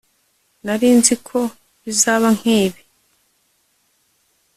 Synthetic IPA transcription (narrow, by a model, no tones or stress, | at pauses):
naɾiːnzikʰo̞ | βizaːβaŋ̥hiːβe